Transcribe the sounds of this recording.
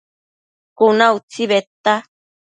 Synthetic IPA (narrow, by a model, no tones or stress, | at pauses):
kunaut͡siβet̪a